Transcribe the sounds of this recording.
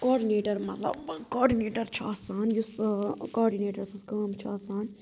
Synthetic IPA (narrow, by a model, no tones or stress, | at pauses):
koːɖineːʈɐɾmɐt̪lɐ̰bkoːɖineːʈɐɾt͡ʃʰa̰ːsaːnjuskoːɖineːʈɐɾsiskaːmt͡ʃʰaːsaːn